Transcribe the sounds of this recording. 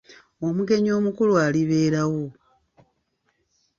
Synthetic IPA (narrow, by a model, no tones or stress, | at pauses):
omuɡe̞ɲo̞ːmukulwaːliβe̞ːɾawo̞